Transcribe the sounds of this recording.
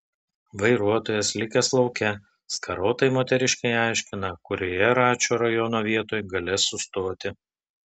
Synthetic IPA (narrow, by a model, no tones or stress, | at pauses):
ʋɐɪɾuɔt̪oːjɛslʲɪkʲɛslˠɒʊkʲɛ | skʰɐɾoːt̪ɐɪmoːt̪ʲɛɾʲɪʃʲkɐɪɑˑɪʃʲkʲɪnɐkʊɾʲoːjɛɾɑːt͡ʃʲoːɾɐjɔnoːʋʲiɛt̪oːjɡɐlʲɪsʊst̪oːt̪ʲɪ